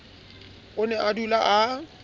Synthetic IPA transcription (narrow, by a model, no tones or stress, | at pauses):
ʊnɛʔadulaʔa